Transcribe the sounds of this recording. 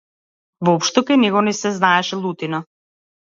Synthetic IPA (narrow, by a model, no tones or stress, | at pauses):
vɔpʃt̪ɔkajnɛɡɔnɛsɛznaɛʃɛlˠut̪ina